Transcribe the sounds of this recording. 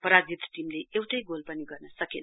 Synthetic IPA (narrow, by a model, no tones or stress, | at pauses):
pʌɾad͡zit̪ʈimleewʈʌjɡolpʌniɡʌrnʌsʌken